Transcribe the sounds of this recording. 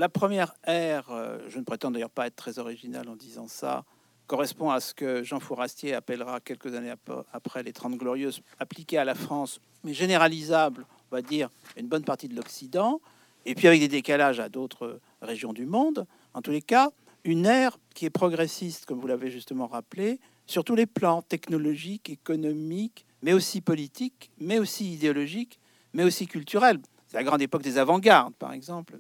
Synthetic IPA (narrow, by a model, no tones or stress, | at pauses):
lapχəmjɛʁɛʁʒənəpχet̪ɑ̃d̪ajœʁpaɛt̪̚t̪ːχɛzɔʁiʒina̰lɑ̃d̪izɑ̃sa̰ | kɔʁɛspɔ̃asə̥kəʒɑ̃fuʁast̪jeapɛlʁakʲɛlkəzaneapχɛlet̪χɑ̃t̪ɡlɔʁjøzaplikʲealafχɑ̃s | ɛʒeneʁalizabl | ɔ̃vad̪iʁynbɔnpaʁt̪id̪əlɔksid̪ɑ̃ | epɥiavɛk̚d̪ed̪ekalaʒad̪ot̪χə | ʁeʒjɔ̃d̪ymɔ̃d̪ | ɑ̰̃t̪uleka | ynɛʁkʲiɛpχɔɡʁesist̪kɔmvulaveʒyst̪əmɑ̃ʁaple | syʁt̪uleplɑ̃t̪ɛknɔlɔʒikekɔnɔmik | mɛosipɔlit̪ikmɛosiid̪eɔlɔʒik | mɛosikʲylt̪yʁɛl | sɛlaɡʁɑ̃d̪epɔk̚d̪ezavɑ̃ɡaʁd̪pa̰ʁɛ̰ɡzɑ̃pl